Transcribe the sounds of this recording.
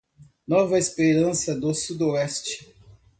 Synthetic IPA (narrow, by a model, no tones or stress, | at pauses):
nɔvɐespeɾɐ̃sɐd̪ʊsud̪oɛst͡ʃɪ̥